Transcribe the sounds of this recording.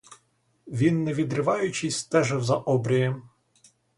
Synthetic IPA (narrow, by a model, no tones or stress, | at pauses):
ʋʲinːɛʋʲid̪ɾɪʋɑjʊt͡ʃɪjst̪ɛʒɪwzɐʔɔbɾʲijɛm